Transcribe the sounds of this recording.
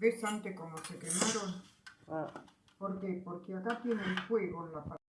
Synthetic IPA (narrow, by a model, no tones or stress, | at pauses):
esant̪ekomosekemaɾon | poɾkepoɾkeakat̪jeneŋxweɣonlapa